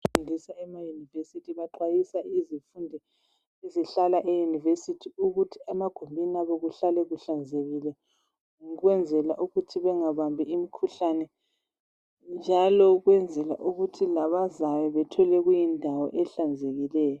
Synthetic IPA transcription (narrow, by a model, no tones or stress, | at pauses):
undʱisaɛmajunivesitʰiβaǃajisaizifundʱɛ | iziɬalaʔejunivesitʰiuɣutʰi̥amaɡ̥ʱombʱiniaβɔɣuɬalɛɣuɬand͡zʱeɣilɛ | ɣwɛnd͡zʱɛlaʔuɣutʰiβɛŋaβambʱiimikʰuɬanɛ | nd͡ʒʱalɔɣwɛnd͡zʱɛla̰ʔuɣutʰilaβazajɛβɛtʰɔlɛɣujindʱawɔ̰ʔɛɬand͡zʱeɣilɛːjɔ